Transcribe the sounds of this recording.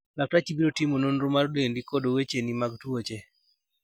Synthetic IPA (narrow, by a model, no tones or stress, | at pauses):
lak̚tat͡ʃibiɾotimononɾomaɾdendikodowet͡ʃenimaɡtwot͡ʃe